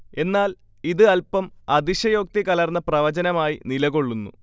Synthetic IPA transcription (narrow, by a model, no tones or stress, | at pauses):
e̞nːaːl | iðɨɐlpɐmɐd̪iɕɐjo̞ːk̚t̪ikɐlɐrnːɐprɐʋɐt͡ɕɐnɐmaːjinilɐɣo̞ɭːunːṵ